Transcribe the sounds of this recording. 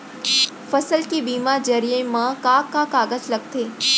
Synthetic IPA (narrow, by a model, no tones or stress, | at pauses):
fɐsəlkibiːmaɾd͡ʑɐɾijə̃mãkakakaːɡəzlɐɡt̪ʰeː